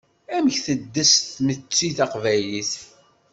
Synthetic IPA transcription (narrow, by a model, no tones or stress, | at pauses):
æməçθəd̪ːəsθmət͡sːiθɑqvæliθ